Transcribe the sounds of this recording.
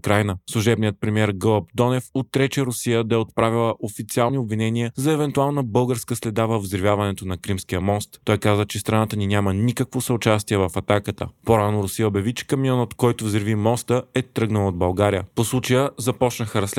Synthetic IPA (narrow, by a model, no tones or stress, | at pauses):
kɾajnəslˠuʒɛbnijət̪̚pɾɛmiɛɾɡɤlˠəp̚d̪ɔnɛfot̪ɾɛt͡ʃɛɾʊsijəd̪ɐɛot̪̚pɾavilˠəʔofit̪sialˠniobvinɛniəzɐɛvɛnt̪ualˠnəbɤlˠɡəɾskəslɛd̪avəvzɾvʲjavɐnɛt̪onɐkɾimsk̟ijəmɔst̪ːɔjkazvət͡ʃɛst̪ɾɐnat̪əninʲamənikəkvosɐʊt͡ʃast̪iɛvɐfɐt̪akət̪ə̰poɾanʊɾʊsiəbɛvit͡ʃɛ̥kɐmiɔnot̪kɔjt̪ʊvzɾvimɔst̪əɛt̪ɾɤɡnəlˠod̪bɐlˠɡaɾijəposlˠut͡ʃəjəzɐpɔt͡ʃnəxəɾɐsl